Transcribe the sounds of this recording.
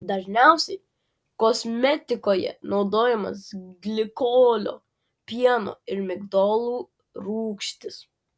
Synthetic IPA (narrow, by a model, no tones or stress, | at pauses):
d̪ɐʒʲnʲɛˑʊsʲɛɪ | kɔsʲmʲɛt̪ʲɪkoːjɛ̰nɒʊd̪oːjɛmɐ̰sɡlʲɪkoːlʲo̰ː | pʲiɛno̰ːɪɾmʲɪɡd̪oːlˠuː | ɾuːkʃʲt̪ʲɪs